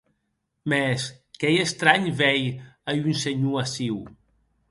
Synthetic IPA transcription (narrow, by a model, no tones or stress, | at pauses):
mɛskɛjest̪ɾaɲβɛjajynseɲuasiw